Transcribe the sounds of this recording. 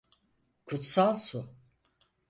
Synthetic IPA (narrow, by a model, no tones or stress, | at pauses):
kʰut̪salˠsu